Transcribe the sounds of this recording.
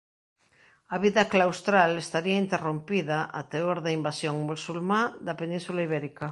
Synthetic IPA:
ɐβiðɐklawst̪ɾalest̪aɾiɐint̪erompiðaʔa̰t̪eoɾðaimbasjoŋmusulmad̪ɐpenĩnsulaiβ̞ɛɾikɐ

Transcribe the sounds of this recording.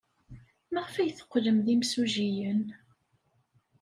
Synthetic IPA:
mæʁfæjθə̥qːləmðimsuʒijən

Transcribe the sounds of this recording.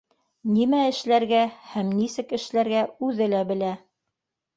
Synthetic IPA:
nimæɘ̆ʃlæɾɡæhæmnisɘkɘ̆ʃlæɾɡæʉðɘlæbɘ̆læ

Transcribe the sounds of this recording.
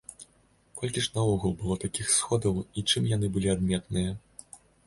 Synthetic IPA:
kɔlʲkʲisʲnɐɔɣulˠbɨlˠɔt̪akʲixsxɔd̪ɐwit͡ʂɨmjanɨbɨlʲiad̪̚mʲɛt̪nɨjɐ

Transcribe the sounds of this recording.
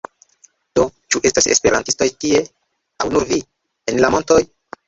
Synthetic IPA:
d̥o̞t͡ʃuʔe̞stase̞̰spe̞ɾantisto̞jtie̞ | awnuɾvi | enlamo̞nto̞j

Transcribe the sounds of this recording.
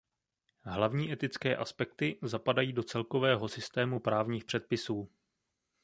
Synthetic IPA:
ɦlavɲiːʔɛt̪ɪt͡skɛːʔaspɛkt̪ɪzapadajiːdo̞t͡sɛlko̞vɛːɦo̞sɪst̪ɛːmupɾaːvɲiːxpr̝̥ɛt̪̚pɪsuː

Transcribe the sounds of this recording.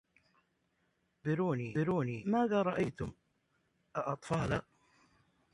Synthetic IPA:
bɪɾuːniːɪɾuːniːmaːðaːɾˤɑʔajt̪ʊm | ʔaʔɑt̪ˤfɑːla

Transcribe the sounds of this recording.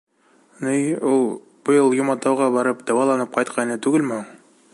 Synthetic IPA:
nijulˠ | b̥ɤ̆jɤlˠjumɑt̪ːɑwʁɑbɒɾɤpd̪ɒwɑlˠɑnɤp̚qɒjt̪̚qʰɑjnɤt̪ʉɡɘlmɘhuɴ

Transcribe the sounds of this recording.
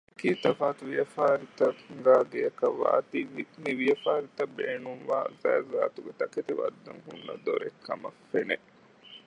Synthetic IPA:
ekiːt̪ɐfaːt̪uʋijɐfaːɾit̪ɐŋɡaːɡejɐkɐʋːa̰ːt̪iʋiniʋijɐfaːɾit̪ɐbeːnuŋʋa̰ːzæːza̰ːt̪uɡet̪ɐket̪iʋɐd̪ːɐ̰ŋɦunːɐ̰d̪o̰ɾekʰːɐmɐfːene

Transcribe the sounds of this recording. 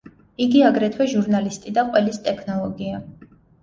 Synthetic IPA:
iɡiaɡɾɛt̪ʰwɛʒuɾnalist̪ʼid̪aqʼwɛlist̪ʼɛkʰnɔlˠɔɡia

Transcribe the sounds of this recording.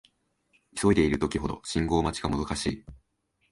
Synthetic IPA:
iso̞id̪e̞iɾɯ̟t̪o̞kʲiɦo̞d̪o̞̰ɕĩŋɡo̞ːmat͡ɕi̥ɡamo̞zokaɕḭː

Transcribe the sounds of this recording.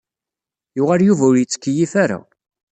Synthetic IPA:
jʊʁaɾjuvæʊɾjət͡sːə̥kːəjifaɾa̰

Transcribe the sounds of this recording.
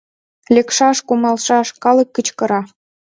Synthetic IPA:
lʲekʃɑʃkumɑlʃɑʃkɑlɤ̆kːət͡ɕkɤ̆ɾɑ

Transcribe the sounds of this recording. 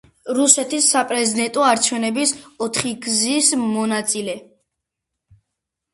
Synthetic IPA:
ɾusɛt̪ʰisːapʼɾɛzid̪ɛnt̪ʼɔaɾt͡ʃʰɛvnɛbisɔt̪ʰχiɡzismɔnat̪sʼilɛ

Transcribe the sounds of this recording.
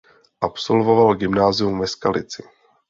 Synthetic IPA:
ʔapso̞lvo̞valɡɪmnaːzɪumvɛskalɪt͡sɪ

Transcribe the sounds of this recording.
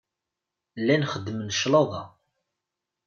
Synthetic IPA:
lːænχəd̪ːmənʃlɑðˤɑ

